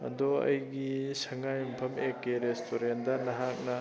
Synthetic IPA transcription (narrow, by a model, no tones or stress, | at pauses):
ɐ̰dɔɐ̰jɡisɐŋajmpʰɐmekːeɾestʰoɾendɐnɐɦak̚nɐ